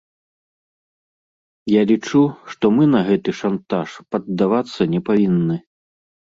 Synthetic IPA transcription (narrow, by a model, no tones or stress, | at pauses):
jalʲit͡ʂuʂt̪ɔmɨnɐɣɛt̪ɨʂant̪aʂpɐd̪ːavat̪sːɐnʲɛpavʲinːɨ